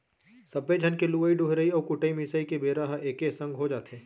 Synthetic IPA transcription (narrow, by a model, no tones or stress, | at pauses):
sɐbed͡ʒʱɐnkeluːəiɖʊɦɾəiɔːɾkʊʈəimɪsəikebeːɾaɦʔeːkesɐ̃ŋɡɦod͡ʒaːt̪ẽː